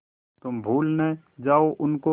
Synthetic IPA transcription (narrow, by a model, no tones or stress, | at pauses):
t̪ʊmbʱuːlne | d͡ʒaːoʔʊnko